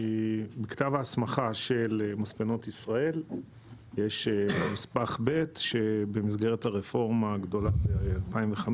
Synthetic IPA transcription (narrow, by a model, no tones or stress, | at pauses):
bektavaːsmaχaʃe̞lmospeno̞tisʁae̞l | jeʃmispaχbe̞tʃebemizɡeʁethaʁefo̞ʁmaːɡdo̞labealpaimveχam